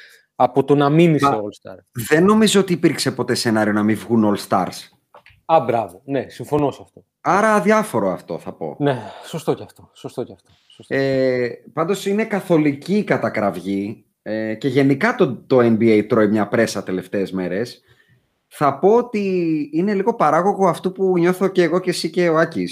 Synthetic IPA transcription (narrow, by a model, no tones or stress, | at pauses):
ɐpot̪onɐminiseoolst̪ɐ̰ɾðe̞nːo̞mizoot̪iːpiɾkse̞po̞t̪e̞se̞nɐɾio̞nɐmivɣuno̞lst̪ɐ̰ɾs | ɐbɾɐvonesiɱfo̞nosɐft̪o | ɐɾɐːðjɐfo̞ɾoɐft̪o̞̰θɐpo̞̰nesost̪ocɐft̪osost̪ocɐft̪ossepɐnd̪o̞sine̞kɐθo̞liciːkɐt̪ɐkɾɐvʝi | ece̞ʝe̞nikɐt̪ot̪o̞enbiejt̪ɾoimɲɐpɾe̞sɐt̪e̞le̞ft̪e̞ːzme̞ɾe̞s | θɐpo̞ot̪iine̞liɣo̞pɐɾɐɣo̞ɣo̞ɐft̪upuɲo̞θo̞ceːɣo̞cesice̞o̞ɐcis